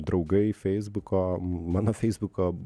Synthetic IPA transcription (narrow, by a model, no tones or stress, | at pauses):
d̪ɾɐʊɡɐɪfʲɛɪzbʊkoːmɑːnoːfʲɛɪzbʊkoː